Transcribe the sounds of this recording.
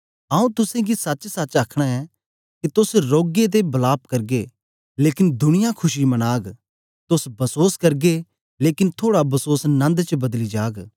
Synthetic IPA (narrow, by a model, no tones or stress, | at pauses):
ɐũt̪ʊsẽɡisɐt͡ʃsɐt͡ʃaːkʰɽ̃aɛ | kit̪ʊsɾoːɡet̪̬ebɐlaːpkɐɾɡe | leːkɪnd̪ʱʊɽ̃ɪjakʰʊʃimɐnaːɡ | t̪ʊsbʱɐsoːskɐɾɡe | leːkɪnt̪ʰoːɽabʱɐsoːsnɐ̃nd̪t͡ʃbɐd̪lid͡ʒaːɡ